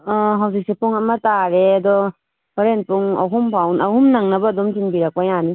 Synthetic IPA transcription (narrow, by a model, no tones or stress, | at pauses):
ɔɦawzik̚sepuŋɐmɐtaɾeɐdɔ | oɾent̚puŋɐ̰wɦumpʰawnɐwhumnaŋnɐbɐːdomtinbiɾɐk̚pajani